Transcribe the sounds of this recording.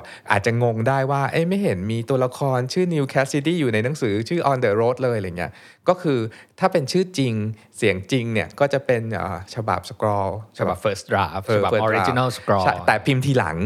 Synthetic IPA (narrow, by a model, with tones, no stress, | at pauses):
ʔa̰ː˨˩t̪̚t͡ɕa˨˩ŋo˧ŋdaː˥˩jwaː˥˩ʔa̰˥˩jma˥˩jɦe˩˦nmiː˧t̪u˧ɐla˧kʰɔː˧nt͡ɕʰɯː˥˩ni˧wkʰɛː˦˥si˧˥t̪iː˥˩juː˨˩na˧jna˩˦ŋsɯː˩˦t͡ɕʰɯː˥˩ʔɔː˧ndɤː˧ɾoː˦˥t̪̚lɤː˧jŋi˦˥ɐ | kɔː˥˩kʰɯː˧t̪ʰaː˥˩pe˧nt͡ɕʰɯː˥˩t͡ɕi˧ŋ | si˩˦əŋt͡ɕi˧ŋni˥˩ɐkɔː˥˩t͡ɕa˨˩pe˧nʔə̰ː˨˩t͡ɕʰa˧ba̰˨˩p̚sa˧kɾɔː˧t͡ɕʰa˧ba˨˩fəː˦sɾa̰ː˧˩fːba˨˩fːɾi˦t͡ɕi˥˧na˥˩lskɾɔt͡ɕʰːa˥˩jt̪ɛː˨˩pʰi˧mt̪ʰiː˧la̰˩˦ŋ